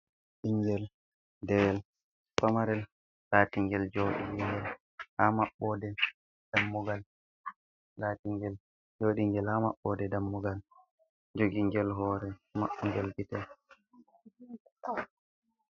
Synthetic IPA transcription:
ɗiŋɡɛl | dɛwɛl | pamaɾɛl | laːtiŋɡɛld͡ʒoɗiŋɡɛl | hamaɓːɔdɛ | d̥amːuɡal | laːtiŋɡɛl | d͡ʒoɗiŋɡɛlhama̰ɓːɔdɛdamːuɡal | d͡ʒoɡiŋɡɛlɦɔːɾɛma̰ɓːuŋɡɛlɡitɛl

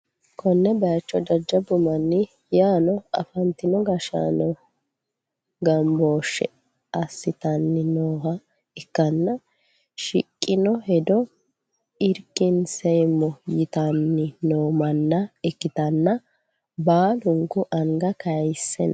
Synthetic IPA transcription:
kɔnːɛbɐjɐt͡ʃːɔd̪ɐd͡ʒːɐbʊmɐnːɪ | jaːnɔɐ̰fɐnt̪ːɪnɔɡɐʃa̰ːnɔ | ɡɐmboːʃːɛ̰ | ɐsːɪt̪ɐnːɪnoːhɐ | ɪkːɐnːɐ | ʃɪkʼːɪnɔhɛd̪ɔ | ɪɾkːɪnsɛjmːɔjɪt̪ɐnːɪnoːmɐnːɐɪkːɪt̪ɐnːɐ | baːlʊŋkʊʔɐŋɡɐkɐjsːɛn

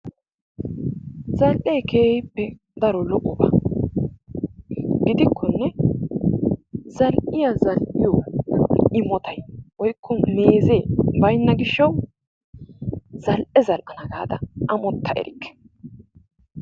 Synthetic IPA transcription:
zɐlʔe̞ːkʰeːjɪpːɛ | d̪ɐɾɔlɔʔɔba̰ | ɡɪd̪ɪkʰːɔnːɛ | zɐlʔɪjɐzɐlʔɪjɔ | ʔɪmɔt̪ɐjwɔjkːɔmeːze̞ːbɐjnːɐɡɪʃːɐw | zɐlʔɛzɐlʔɐnɐɡaːd̪ɐʔɐmɔt̪ːɐʔɛ̰ɾɪkːɛ̥

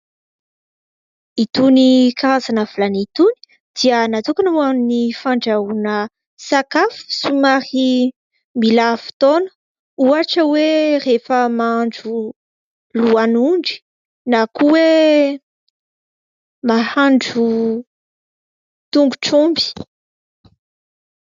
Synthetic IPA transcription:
it̪unikaɾazanavalanit̪uni̥ | d̪̥iənat̪ukanuannifaɳɖ͡ʐaunə | sakafsumaɾi | milafu̥t̪onə̥ | uaʈ͡ʂəwerefəmaɳɖ͡ʐu | luanuɳɖ͡ʐi̥ | nakuwe | mahaɳɖ͡ʐu | t̪uŋɡuʈ͡ʂumbi̥

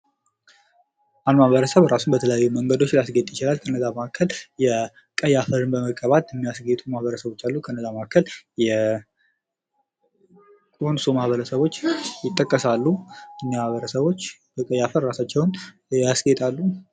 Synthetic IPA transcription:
ʔalmahβəɾəsəβɾasumbət̪ʰələjajːuməŋɡəd̪o̞t͡ʃːlasɡet̪ʼjɪt͡ʃɪlalkʰənːəzamakʰːəljɛ | kʼəjafəɾɨnbəməkʼːəβat̪jɛmːijasɡet̪ʼumahβəɾəsəβo̞t͡ʃːalːukʰənːəzamakʰːəljɛ | kʼo̞nsumahβəɾəsəβo̞t͡ʃːjɪt̪ʼːəkʼːəsalːujɛnːimaβəɾəsəβo̞t͡ʃː | b̥əkʼəjafəɾːasat͡ʃːɛwn | jasɡet̪ʼalːu

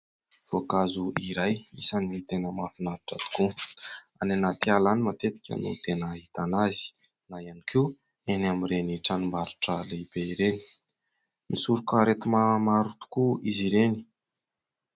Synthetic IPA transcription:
v̥okazuʔiɾajisanit̪enəmafinaɾaʈ͡ʂət̪u̥kuananat̪ialanimat̪et̪i̥kʲə̰nṵt̪enəɦit̪anazi̥ | naianikʰiu | enamiɾeniʈ͡ʂanumbaɾu̥ʈ͡ʂəleib̥eiɾeni | misuɾukəɾet̪imamaɾut̪u̥kuiziɾeni̥

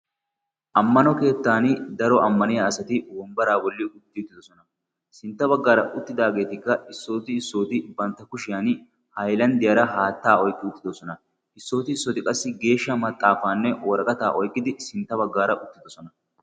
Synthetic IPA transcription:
ʔɐmːɐnɔke̞ːt̪ːaːnd̪ɐɾɔʔɐmːɐnɪjaːsɐt̪ɪwɔmbɐɾaːbɔlːɪʔʊt̪ːɪʊt̪ːɪd̪ɔsɔnɐ | sɪnt̪ːɐβɐɡːaːɾɐʔʊt̪ːɪd̪aːɡe̞ːt̪ɪkːɐɪsːo̞ːt̪ɪɪsːo̞ːt̪ɪbɐnt̪ːɐkʊʃɪjan | hɐjlɐnd̪ɪjɐɾɐɦaːt̪ːaːɔjkʼːɪʊt̪ːɪd̪ɔsɔnɐ | ɪsːo̞ːt̪ɪɪsːɔt̪ɪkʼɐsːɪɡe̞ːʃːɐmɐt̪ʼːaːfaːnːɛwɔɾɐkʼɐt̪aːʔɔjkʼːɪd̪ɪsɪnt̪ːɐbɐɡːaːɾɐʔʊt̪ːɪd̪ɔsɔnɐ

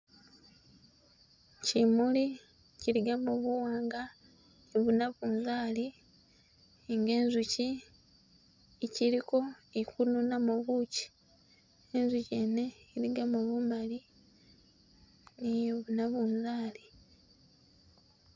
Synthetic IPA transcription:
cimuli | ciɾiɡamoβuwaːŋɡa | niβunaβuːnzaːli | ŋɡe̞ːnzuci | ciɾiko̞ikununamoβuci̥ | enzuceːne̞iliɡamoβumali | niβunaβuːnzaːli

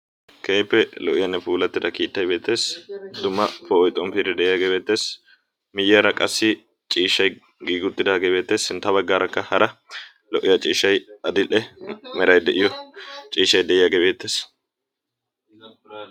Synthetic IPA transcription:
kʰeːjpːɛlɔʔɪjɐnːɛfuːlɐt̪ːɪd̪ɐkiːt̪ːɐjbe̞ːt̪ːe̞ːsd̪ʊmːɐfɔɔjt̪ʼːɔmfiɾɛd̪ɛʔɪjaːɡeːbe̞ːt̪ːe̞ːs | mɪjɪɐɾɐkʼɐsːɪ | t͡ʃʼiːʃːɐj | ɡiːɡʊt̪ːɪd̪aːɡeːbe̞ːt̪ːe̞ːsɪnt̪ːɐbɐɡːaːɾɐkːɐhɐɾɐ | lɔʔɪjɐt͡ʃʼiːʃːɐjɐd̪ɪʔɛmɛɾɐjd̪ɛʔɪjɔt͡ʃʼiːʃːɐjd̪ɛʔɪjaːɡeːbe̞ːt̪ːe̞ːs

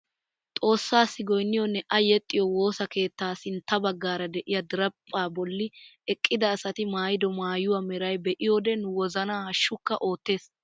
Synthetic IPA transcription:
t̪ʼo̞ːsːaːsːɪɡɔjnːɪjɔnːɛʔɐjɛt̪ʼːɪjɔwo̞ːsɐke̞ːt̪ːaːsɪnt̪ːɐbɐɡːaːɾɐd̪ɛʔɪjɐd̪ɪɾɐpʼːaːbɔlːɪɛkʼːɪd̪ɐːsɐt̪ɪmaːjɪd̪ɔmaːjʊwɐmɛɾɐjbɛʔɪjoːd̪ɛnʊwɔzɐnaːhɐʃːʊkːɐʔo̞ːt̪ːe̞ːs

